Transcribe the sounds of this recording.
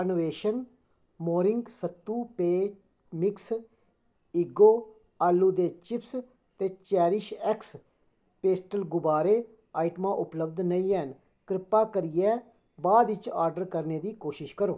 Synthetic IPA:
noːʋeːʃən | moːɾɪŋɡsət̪ːuːpeː | mɪks | iːɡoː | aːlːuːd̪eːt͡ʃɪps | t̪eːt͡ʃɛːɾɪʃɛks | peːsʈəlɡʊbaːɾeː | aːɪʈmãːʔʊpləbd̪nəiːɛːn | kɾɪpːaːkəɾɪjɛː | baːd̪ɪt͡ʃaːɾɖəɾkəɾneːd̪iːkoːʃɪʃkəɾoː

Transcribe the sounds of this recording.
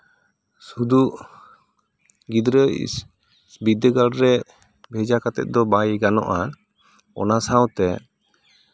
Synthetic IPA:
sud̪uʔ | ɡid̪ɾə | bid̪əɡalɾɛ | bʱɛd͡ʒakat̪ɛ̰t̪̚d̪ɔbajɡanɔ̰ʔa | ɔ̰nasawt̪ɛ

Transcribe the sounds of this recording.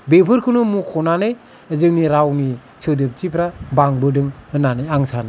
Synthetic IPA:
bepʰɯɾkʰɯnumukʰɔnanɯj | əzɯŋniɾawni | sɯwdɯp̚tipʰɾabaŋbɯdɯŋhɯnanɯjaŋsana

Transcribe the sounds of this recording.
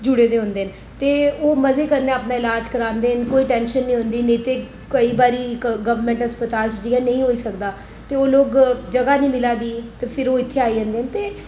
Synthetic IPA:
d͡ʒʊɽeːd̪eːɦʊ̃nd̪eːn | t̪eːoːməzeːkəɾneaːpnaːɪlaːd͡ʒkəɾãːnd̪eːənkoːiːʈɛ̃ːnʃənːĩːɦʊ̃nd̪iːneːt̪eː | kəiːbaːɾiːɡəʋəɾmɛ̃ːɳʈɦəspət̪aːlt͡ʃd͡ʒɪɡaːnə̃ĩːɦoːiːsəkd̪aː | t̪eːoːloːɡd͡ʒəɡaːnĩːmɪlaːd̪iːt̪eːpʰɪɾoːɪt̪ʰːeːaːiːɦə̃nd̪eːənt̪eː

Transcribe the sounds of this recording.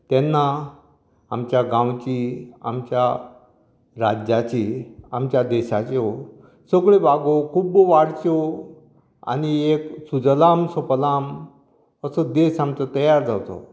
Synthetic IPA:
t̪ɛnːa | amt͡ɕjaɡãwt͡ɕia̰mt͡ɕja | ɾad͡ʑat͡ɕiamt͡ɕjad̪ɛɕat͡ɕeo | səɡɭebaɡokʰuːbʋaɽt͡ɕo | a̰nieksud͡zlamsopəlam | əsəd̪esamt͡sət̪əjaɾd͡zawt̪o̰

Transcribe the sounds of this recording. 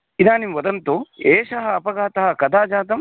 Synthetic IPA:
id̪aːnimʋɐd̪ɐnt̪ueːʂɐɦɐːpɐɡaːt̪ɐɦɐkɐd̪ʱaːd͡ʒaːt̪ɐm

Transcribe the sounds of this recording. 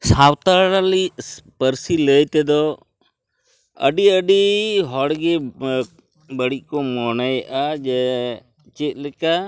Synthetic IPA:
sawt̪aɽaliʔpəɾsiləjt̪ɛd̪ɔ | ə̰ɖiəɖiɦɔɽɡɛ | bəɽiʔ̚ˀkɔmɔnajʔad͡ʒɛ | t͡ʃɛt̪̚ˀlɛka

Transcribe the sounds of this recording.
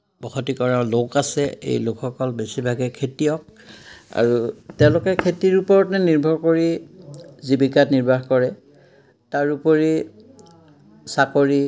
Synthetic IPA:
b̥ɔxɔtikɔɹalokasɛḛjlokʰxɔkɔlbesibʱaɡɛkʰetiɔk̚a̰ɹutɛʊ̃lʊkɛkʰetiɹupɔɹɔtnɛniɹbʱɔɹkoɹi | zibikatniɹbʱaxkɔɹɛ | taɹupoɹi | sakoɹi

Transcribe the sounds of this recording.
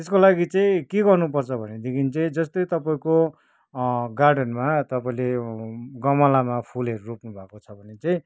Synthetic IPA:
t̪eskolaɡit͡sʌ̃ĩkeɡʌrnupʌrt͡sʰʌbʱʌned̪ekʰint͡sʌ̃ĩd͡zʌst̪ojt̪ʌpaĩko | ɡarɖʌnmat̪ʌpaĩleɡʌmʌlamapʰuleɾropnubʱakot͡sʰʌbʱʌnet͡sʌ̃ĩ

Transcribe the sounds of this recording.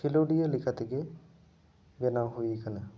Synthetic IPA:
kiloɖijəlikʰət̪eɡe | ʋenaːɦuikənə

